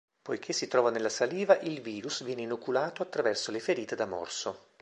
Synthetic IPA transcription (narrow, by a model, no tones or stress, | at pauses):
pojk̟ʰesːit̪ɾɔːvanelːasaliːvaʔilviːɾusvjɛːneinukulaːt̪oat̪ːɾavɛrsolefeɾiːt̪ed̪amɔ̰rso